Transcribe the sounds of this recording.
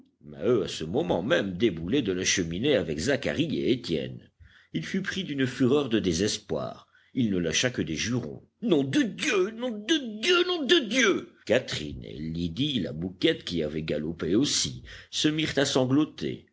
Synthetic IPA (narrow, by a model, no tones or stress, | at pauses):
ma̰øasəmɔmɑ̃mɛmd̪ebulɛd̪əlaʃəmineavɛkzaka̰ʁiḛet̪jɛ̰n | ilfypχid̪ynfyʁœʁd̪əd̪ezɛspwa̰ʁ | ilnəlaʃakəd̪eʒyʁɔ̰̃ | nɔ̃d̪əd̪jønɔ̃d̪əd̪jønɔ̃d̪əd̪jøkat̪χḭnḛlid̪ila̰bukʲɛt̪kʲiavɛɡalɔpeosisəmiʁt̪asɑ̃ɡlɔt̪ḛ